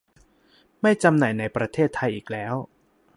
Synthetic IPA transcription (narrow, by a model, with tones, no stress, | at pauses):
ma˥˩jt͡ɕa˧mnaː˨˩jna˧jpɾa˧t̪ʰeː˥˩t̪ʰːa˧jʔiː˨˩k̚lɛː˦˥w